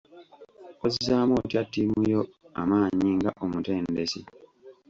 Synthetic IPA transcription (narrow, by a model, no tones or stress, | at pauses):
ozizaːmo̞ːtjatːimujo̞a̰maːɲiŋɡaʔomute̞ːndesi